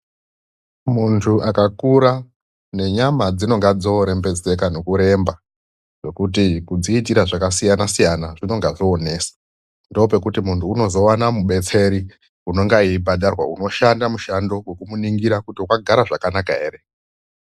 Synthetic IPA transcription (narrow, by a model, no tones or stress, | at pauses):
muntʰuʔakakuɾa | ne̞ɲamad͡zino̞ŋɡad͡zo̞ɾe̞mbe̞d͡ze̞kano̞kuɾe̞mba | ʐe̞kut̬ikud͡ziːtiɾaʐakasijanasijanaʐino̞ŋɡaʐoːne̞ːsḁ | ndope̞kutimuntʰuːno̞zo̞wanamuɓe̞t͡se̞ɾi | uno̞ŋɡaiːbʱadarwa̰uno̞ʃandamuʃando̞we̞kumuniŋɡiɾakutiukaɡʱaɾaʐakanakaɦe̞ːɾe̞